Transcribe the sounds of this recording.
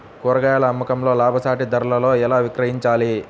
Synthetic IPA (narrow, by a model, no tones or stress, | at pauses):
kuɾɐɡajaːɭɐːmːɐkɐmlo̞ːlaːbʱɐsaːʈid̪ɐɾɐlɐlo̞ːɛlaːʋikɾɐɦiɲt͡ʃaːli